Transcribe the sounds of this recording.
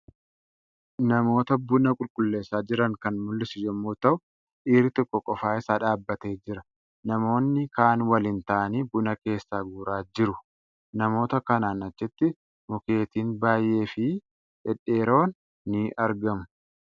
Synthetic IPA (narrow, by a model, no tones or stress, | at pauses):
nɐmo̞ːt̪ɐbʊnɐkʼʊlkʼʊlːe̞ːsːaːd͡ʒɪɾɐŋkɐnmʊlːɪsɪjɛmːoːt̪ɐʔʊ | ʔiːɾɪt̪ɔkʼːɔkʼɔfaːɪsaːᶑaːbːɐt̪e̞ːd͡ʒɪɾɐ | nɐmo̞ːnːɪkaːnwɐlɪnt̪aʔniːbʊnɐke̞ːsːaːɡuːɾaːd͡ʒɪɾʊ | nɐmo̞ːt̪ɐkɐnaːnɐt͡ʃːɛt̪ːɪ | mɔke̞ːt̪iːnbaːjːʔe̞ːfɪ | ᶑɛᶑe̞ːɾo̞ːnː | ɪʔɐɾɡɐmʊ̥